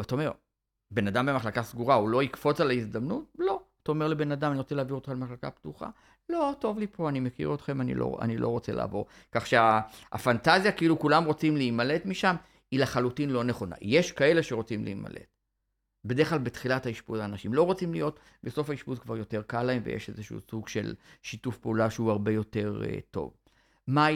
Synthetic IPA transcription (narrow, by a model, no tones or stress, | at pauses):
ataome̞ʁ | be̞nadambemaχlakasɡuʁaulo̞ikfo̞t͡salaizd̪amnut̚lo̞ataome̞ʁle̞be̞nadamaniʁot͡seleaviʁot̪χalemaχlaka̰ptuχa̰ | lo̞to̞vlipo̞animekḭʁo̞t̪χe̞manḭlo̰a̰nilʔo̞̰ʁo̞t͡sela̰ːvo̞ʁ | kaχʃeaa̰fantazjakiilukulamʁo̞t͡simliːmale̞tmiʃam | ilaχalutinlo̞ne̞χo̞na̰jeʃkae̞le̞ʃeʁo̞t͡simlḭima̰lʔe̞̰t | bedeʁχlalbet̪χilathaiʃbuzaːnaʃimlo̞ʁo̞t͡simlijo̞t | beso̞faiʃputzkvaʁjo̞te̞ʁkalːaemvejḛʃe̞zeʃṵsuɡʃe̞̰lʃitufpeulaʃeuaʁbe̞jo̞te̞ʁḛto̞̰v | ma